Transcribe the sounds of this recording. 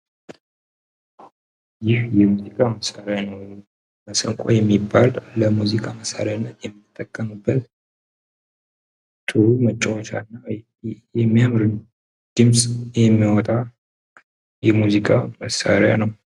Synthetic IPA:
jɪhjɛmuzikʼaməsaɾejanəw | məsəŋkʼo̰jɛmːibːalːəmuzikʼaməsa̰ɾjanːət̪jɛmːit̪ʼːəkʼːəmɨbːət̪ | t̪ʼɨɾumət͡ʃʼːɛwɔt͡ʃʰa̰nːa | jɛmːijamɾɨn | d̪̥ɨmsʼjɛmːiwɔt̪ʼa | jɛmuzikʼaməsːa̰ɾja̰nəw

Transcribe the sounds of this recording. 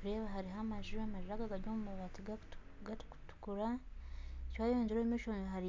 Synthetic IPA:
kuɾeβaɦaɾiɦamaʒiɾamaʒiɾaɡaɡaɾɟomumaβatiɡa | ɡatku̥tu̥kuɾa | ecwajoːɲd͡ʒeɾoimiʃoːniɦaɾi

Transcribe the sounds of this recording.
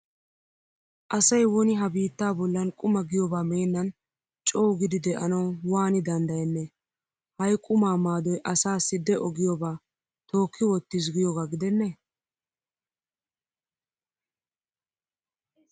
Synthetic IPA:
ʔɐsɐjwɔnɪɦɐbiːt̪ːaːbɔlːɐnkʼʊmɐɡɪjɔbaːmeːnːɐn | t͡ʃʼoːɡɪd̪ɪd̪ɛʔɐnɐwwaːnɪd̪ɐnd̪ɐjɛnːɛ | hɐjkʼʊmaːmaːd̪ɔjʔɐsaːsːɪd̪ɛʔɔɡɪjɔbaː | t̪o̞ːkʰːɪwɔt̪ːis̬ɡɪjoɡaːɡɪd̪ɛnːɛ

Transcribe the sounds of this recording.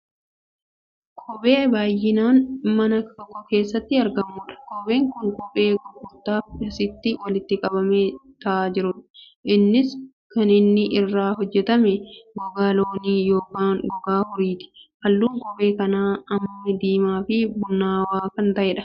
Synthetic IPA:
kʼʰɔbʼeːbaːjːɪnaːnmɐnɐt̪ɔkːɔke̞ːsːɐt̪ːɪɐɾɡɐmːʊːᶑɐ̥kʼɔbe̞ːŋkʊŋkʼɔpʼe̞ːɡɔkːʊɾt̪aːfɐsɪt̪ːɪwɐlɪt̪ːɪkʼɐbɐmeːt̪ɐʔaːd͡ʒɪɾʊᶑɐ̥ | ʔɪnːɪs | kɐnɪnːɪʔɪrːaːɦɔd͡ʒːɛt̪ɐmɛɡɔɡaːlo̞ːniːjoːkaːnɡɔɡaːhʊɾiːt̪ɪ̥hɐlːuːŋkɔpʼe̞ːkɐnaːɐmːɐd̪iːmaːfɪbʊnːaːwaːkɐnt̪ɐʔɛːᶑɐ̥

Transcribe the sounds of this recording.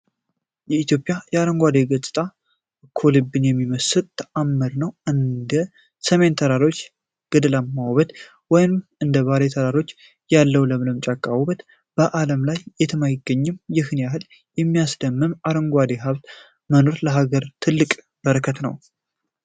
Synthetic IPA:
jɛit̪jo̞pʼjajɛaɾəŋɡʷad̪e̞ɡət͡sʼɨt̪ʼa | kʰːolɨbːɨnjɛmːiməsɨlt̪ʰamːɨɾnəwʔɨnd̪ə | səme̞nt̪ʰəɾaɾo̞t͡ʃː | ɡ̥ɨd̪lamːawβət̪ | wɔjnɨmɨnd̪əβaɾet̪ʰəɾaɾo̞t͡ʃː | jalːəwləmləmt͡ʃʼakʼːawβət̪ | b̥əʔaləmlajːɛt̪ʰəmajɪɡːəɲːɨmjɪhnjaɦɨl | jɛmːijasd̪əmːɨmaɾəŋɡʷad̪e̞ɦaβt̪ | məno̞ɾləɦaɡəɾt̪ʰɨlːɨkʼ | bəɾəkʰət̪nəw

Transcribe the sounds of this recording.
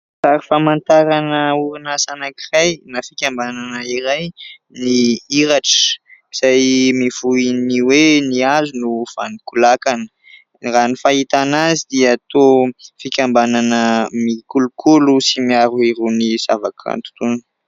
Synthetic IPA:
faɾifamant̪aɾanəuɾinasanakirajnafikʲambananəiɾaj | niiɾaʈ͡ʂə̥iz̥ajmiv̥uiniweniazunuv̥a̰nikulakanə̥ | ranifaɦit̪anazid̪iəːt̪ofikʲambananəmikulukʰulusimiaɾuiɾuniz̥avaka̰nt̪u̥t̪un

